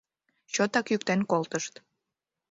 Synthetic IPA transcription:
t͡ɕot̪ɑkjyk̚t̪enkolt̪əʃt̪

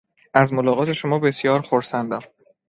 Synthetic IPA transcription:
ʔæzmolɒːɣɒːt̪ʰe̞ʃomɒːbe̞sjɒːɾxoɾsænd̪æm

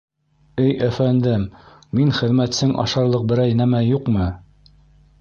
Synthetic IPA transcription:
ɘjæfænd̪ɘmː | inχɘ̆ðmæt̪sɘŋʔɑ̰ʃɑɾlˠɤq̚bɘ̆ɾæjnæmæjuqmɤ

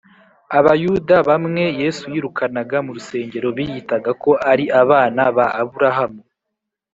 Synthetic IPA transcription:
aβajuːdaβamŋe̞je̞ːsujiːɾukʰanaɡamuɾuse̞ːɲɟe̞ɾo̞βijitaɡako̞ʔaɾiʔaβaːnaβaːβuɾaɦamu

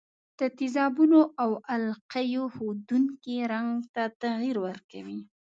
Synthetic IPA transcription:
d̪̥ət̪ɪzɑbunoʔawalqajohod̪uŋkiɾaŋɡt̪at̪aɣiɾwəɾka̰wi

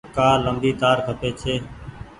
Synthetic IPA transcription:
kaːləmb̪iːt̪aːɾkʰəpeːt͡ʃʰeː

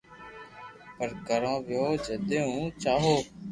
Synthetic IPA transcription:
pəɾkəɾãːʋjoːd͡ʒəd̪eːɦũːt͡ʃaːɦoː

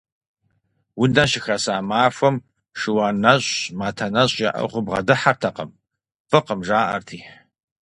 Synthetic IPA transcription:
wʊndɐʃɪxɐsaːmaːfʷɐm | ʂɨwaːnɐɕʼmaːtʰɐnɐɕʼɪʔɐ̰χʷʊbʁɐ̰dɨħartʰɐqɐ̰m | fɨqəmʒaːʔɐ̰rtʰiː

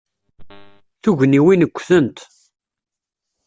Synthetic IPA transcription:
θuʝniwinəkʷːθənt̪

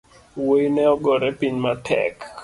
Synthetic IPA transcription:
woinɛɔɡɔɾɛpiɲmatʰɛ̰k

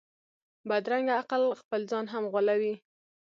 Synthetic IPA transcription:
bad̪ɾaŋɡaaqəlxpəlzɑnɦamɣwalawi

